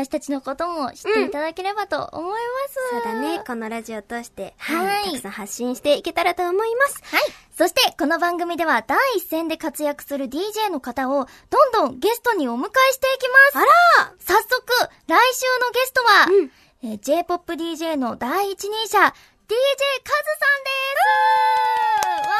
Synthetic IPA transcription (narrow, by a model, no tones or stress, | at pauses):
aaɕi̥t̪at͡ɕino̞ko̞t̪o̞mo̞ɕi̥t̪ːeit̪ad̪ake̞ɾe̞bat̪o̞̰ʔo̰mo̞imasɨoːd̪aneko̞no̞ɾaʑio̞t̪o̞ɕi̥t̪e̞haiisãhaɕːĩɰ̃ɕi̥t̪e̞ike̞t̪aɾat̪o̞ːmo̞imasɨ̥aiso̞ɕi̥t̪e̞ko̞no̞bãŋɡɯ̟mʲid̪e̞βad̪aiːsːẽ̞nd̪e̞kat͡sɨjakɯ̟̥sɨɾɯ̟d̪ʲiːʑe̞ːno̞kat̪ao̞ | d̪̥õ̞nd̪õ̞ŋɡe̞sɨ̥t̪o̞ɲ̟io̞mɯ̟kaiɕi̥t̪e̞ikʲimassasːo̞kɯ̟ | ɾaiɕɨːno̞ɡe̞sɨ̥t̪o̞βa | ed͡ʑe̞ːpo̞pːɯ̟d̪ʲiːʑe̞ːno̞d̪aiːt͡ɕiɲ̟ĩɕa | d̪̥ʲiːʑe̞ːkazɨsãnd̪e̞s